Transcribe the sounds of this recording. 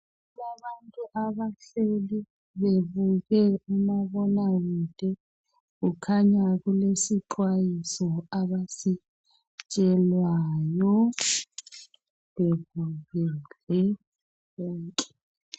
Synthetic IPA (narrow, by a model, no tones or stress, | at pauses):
laβantʼuʔaβaɬeli | βeβuɣɛumaβɔnaɣud̥ʼʱɛ | ɣukʰaɲaɣulesiǃwajisɔaβasi | t͡ʃʼɛlwaːjɔ | βeβuɣɛlɛ | βɔːŋkʼɛ̥